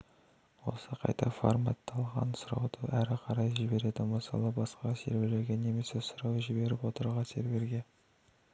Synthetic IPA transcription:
wo̞̰səqʰɑ̰jt̪ɑfo̰ɾmɑ̰t̪ːɑlˠʁɑ̰nsʊɾɑwd̪̥əʔæɾɪqʰɑɾɑjʒɪbe̞ɾe̞d̪ɪməsɑ̰lˠəbɑsqɑsḛɾbe̞le̞ɾɡʲe̞ne̞me̞sesʊɾɑwʒɪbe̞ɾɪpwo̞t̪əɾʁɑse̞̰ɾbe̞ɾɡʲe̞

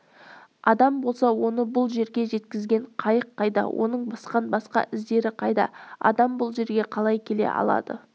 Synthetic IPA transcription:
ɑd̪ɑmbo̞lˠsɑwo̞nəbʊlˠʒe̞ɾɡʲe̞ʒe̞t̪kʲɪzɡʲe̞ɴqʰɑjəqʰːɑjd̪ɑ̰wʔo̞̰nəɴbɑsqɑnbɑsqɑ̰ʔɪzd̪e̞ɾɪqʰɑjd̪ɑ̰ɑ̰d̪ɑmbʊlˠʒe̞ɾɡʲe̞qʰɑlˠɑjkʲʰe̞le̞̰ʔɑ̰lˠɑ̰d̪ə

